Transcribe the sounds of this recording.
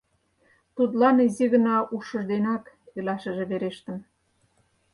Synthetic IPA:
t̪ut̪̬lɑniziɣə̆nɑʔuʃə̆ʒd̪enɑk | ilɑʃə̆ʒĕβeɾeʃt̪ə̆m

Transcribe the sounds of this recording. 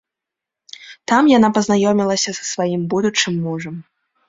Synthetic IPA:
t̪amjanapɐznajɔmʲilˠɐsʲɐsɐ̥svajimbud̪ut͡ʂɨmːuʐɐm

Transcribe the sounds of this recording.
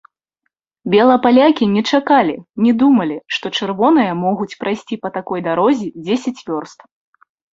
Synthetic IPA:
bʲɛlˠɐpalʲakʲinʲɛt͡ʂakalʲinʲɛd̪umɐlʲiʂt̪ɔt͡ʂɨrvɔn̪ɨjɐmɔɣut͡sʲpɾajsʲt͡sʲipɐt̪akɔjd̪aɾɔzʲid͡zʲesʲɛt͡sʲvʲɔrst̪

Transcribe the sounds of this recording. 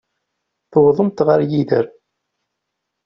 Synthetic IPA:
θəwðˤəmt̪ʁəɾjiðə̰ɾ

